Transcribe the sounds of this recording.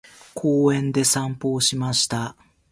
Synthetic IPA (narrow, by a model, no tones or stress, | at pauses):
kʰoːẽ̞nd̪e̞sãmpo̞ːɕimaɕi̥t̪a